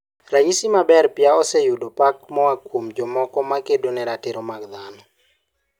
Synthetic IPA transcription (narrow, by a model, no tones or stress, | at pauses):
raɲisimabɛrpjaɔsɛjudopak̚mɔakwomd͡ʒɔmɔkɔmakedonɛɾateɾɔmaɡd̪anɔ